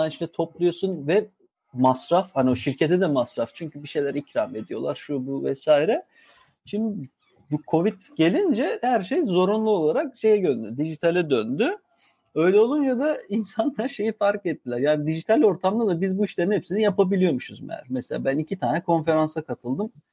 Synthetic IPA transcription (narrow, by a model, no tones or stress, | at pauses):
aniʃnɛt̪ʰo̞plˠujo̞sunvɛ | masɾafhanio̞ʃiɾce̞t̪ʰɛd̪ɛmasɾaft͡ʃʰyɲcybiʃe̞jlʲæɾicɾafe̞d̪ijo̞̰lˠaɾʃubuvɛsaːjiɾɛ | ʃimd̪i | bukʰo̞vit̪ɟ̥e̞lʲind͡ʒɛhæɾʃe̞jzo̞ɾunlˠuo̞lˠaɾakʃe̞jɛɟønd̪yd̪iʒit̪ʰalʲɛd̪ønd̪y | øjlʲɛo̞lˠunjad̪ainsanlˠaɾʃe̞jifaɾket̪ːilʲæɾjaːnid̪iʒit̪ʰalʲo̞ɾt̪ʰamd̪ad̪abizbuiʃlʲeɾinhepsinɛjapabilʲijo̞muʃuzmæ̰ɾ̥meselʲa̰ːbænicʰit̪ʰaːnɛkʰo̞nfe̞ɾansakʰat̪ʰɯlˠd̪ɯm